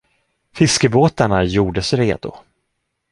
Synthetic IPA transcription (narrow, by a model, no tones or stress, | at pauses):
fɪskəboːt̪aɳajuːɖəsɾeːd̪ʊ̰